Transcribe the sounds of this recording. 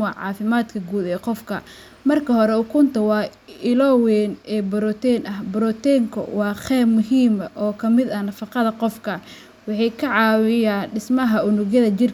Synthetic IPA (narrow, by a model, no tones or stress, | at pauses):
ɑːʕɑ̰ːfɪmaːd̪kʰɐɡuːd̪ɛːqɔfkʰɐ̰ | mɐrkʰɐɦɔɾɛʊkʰʊnt̪ʰɐwɑːɪlɔwɛːnɛːbɔɾɔt̪ʰɛnɐhbɔɾɔt̪ɛːŋkʰɔ̰wɑːχɛːbmʊɦiːmɐʔɔːkʰɐmɪd̪ɐnɐfɑqɑðɐqɔfkʰɐ | wɑħɑjkʰɐʕɑːwɪjaːnɖɪsmɐɦɐʔʊnʊɣjɐðɐt͡ʃɪr